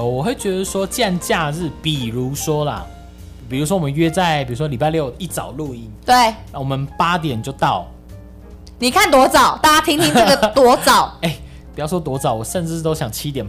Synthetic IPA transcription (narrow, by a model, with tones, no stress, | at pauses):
wɔ˨˩xwe˥˩ɪt͡ɕɥɛ˧˥d̪ə˨swɔ˦t͡ɕja˥˧nt͡ɕja˥˧ɻɻ̩˥˩pi˨˩ɻu˨˦swɔ˦la˨ | pi˨˩ɻu˧˥swɔ˦˥wɔ˨mə˦nɥɛ˥t͡sa˥˧ɪpi˨˩ɻu˧˥ʂwɔ˦li˨˩pa˥˧ljo˥˩ʊi˥˩t͡sɑ̰˨˩ʊlu˥˧i˦nt̪we˥˩ɪna˥˩wɔ˨˩mə˦npa˦t̪jɛ˨˩nt͡ɕjo˥˧ʊt̪ɑ˥˩ʊ | ni˨˩kʰa˥˨nt̪wɔ˧˥t͡sɑ˨˩˦ʊt̪a˥˩t͡ɕja˥t̪ʰi˥ŋt̪ʰi˦˥na˥˩ɡə˨˩t̪wɔ˧˥t͡sɑ˨˩˦ʊe˥˩ɪ | pjɑ˥˩ʊʂwɔ˥t̪wɔ˧˥t͡sɑ˨˩˦ʊwɔ˨˩ʂə˥˧nʈ͡ʂɻ̩˥˧˥t̪o˥ʊɕjɑ˨˩ŋt͡ɕʰi˦˥t̪jɛ˨˩n